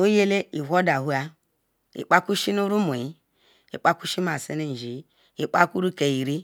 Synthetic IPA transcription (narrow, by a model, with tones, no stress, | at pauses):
o˦je˦le˦i˨˦o˦da˨ɦu˦a˦ | ḭ˨k͡pa˦ku˦ʃi˦nu˦ɾu˦mo˨ji˨˦ | i˨k͡pa˦ku˦ʃi˦ma˨se˦ne˦n˨ʒi˨˦ | i˨k͡pa˦ku˦ɾu˦ke˨ji˨ɾi˦